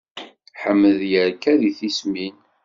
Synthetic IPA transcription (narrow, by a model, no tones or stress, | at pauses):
ħəmːəðjəɾkæðiθismin